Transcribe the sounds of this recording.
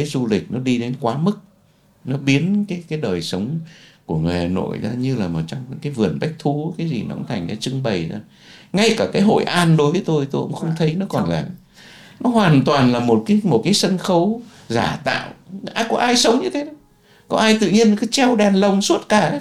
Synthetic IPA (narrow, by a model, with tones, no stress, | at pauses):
e˨˦zu˧lï˨˩k̟̚nɔ˨˦ɗi˧ɗe˨˦nkwaː˨˦mɨ˦˥k̚ | nɔ˨˦ɓi˨˦ənkaː˨˦jkaː˨˦jɗəː˨˩jsə˨˦wŋ͡mku˧˩əŋ˨e˨˩a˨˩no̰˧˨jzaː˧ɲɨ˧laː˨˩mʔəː˨˩t͡ɕɔ˧wŋ͡mkaː˨˦jvɨ˨˩ənɓa˦˥jk̚t̪ʰu˨˦kaː˨˦jzḭ˨˩nɔ̰˧˨ʔə̰˧˦ŋ͡mt̪ʰa˨˩jŋ̟zaː˨˦t͡ɕɨ˧ŋɓə˨˩jzaː˧˩ | ŋa˧jkaː˧˩kaː˨˦jɦo̰˧˨jʔaː˧nɗo˨˦jvəː˨˦jt̪o˧jt̪o˧jʔə̰˧˥ŋ͡mxə˧wŋ͡mt̪ʰə˨˦jnɔ˨˦kɔ˨˩nlaː˨˩ | nɔ˨˦ɦwaː˨˩nt̪waː˨˩nlaː˨˩mo˨˩t̚kaː˨˦jmo˨˩t̚kaː˨˦jsə˧nxə˨˦w | zaː˧˩t̪a̰ː˧˨wʔːkɔ˨˦ʔaː˧jsə˨˦wŋ͡mɲɨ˧t̪ʰe˨˦ɗə˨˦ | kɔ˨˦ʔaː˧jt̪ɨ̰˧˨ɲi˧ənkɨ˨˦t͡ɕɛ˧wɗɛ˨˩nlə˧˩wŋ͡msu˦˥t̚kaː˧˩˨